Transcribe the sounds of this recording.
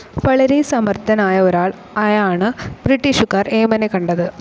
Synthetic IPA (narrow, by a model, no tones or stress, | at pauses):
ʋɐɭɐɾesɐmɐrt̪ʰɐnaːjɐoɾaːɭ | ɐjaːɳɨbɾiʈːiʂukːaːre̞ːmɐnekɐɳɖɐðɨ